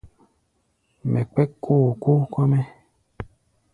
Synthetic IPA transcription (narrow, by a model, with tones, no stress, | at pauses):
mɛ˨k͡pɛ˦kʰːo˦˨ko˦kɔ˦mɛ˦